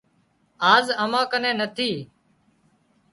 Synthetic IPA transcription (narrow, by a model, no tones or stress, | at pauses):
aːzəmãːkənẽːnət̪ʰiː